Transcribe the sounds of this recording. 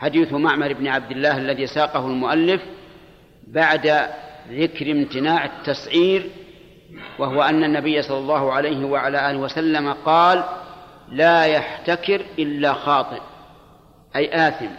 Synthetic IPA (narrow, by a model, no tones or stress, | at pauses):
ħad̪iːθʊmaʕmɑɾˤɪbnɪʕab̚d̪ɪlːaːhalːaðiːsaːqɑhʊlmʊʔalːɪf | baʕd̪aðɪkɾɪmt̪ɪnaːʕɪt̪ːɑsˤʕiːɾ | waɦʊwaʔanːanːabɪjːasˤɑlːɑlˤːɑːhʊʕalajɦɪwaʕalaːʔaːlɪhwasalːamaqɑːlː | aːjaħt̪akɪɾʔɪlːaxɑːt̪ˤɨʔ | ʔajʔaːθɪm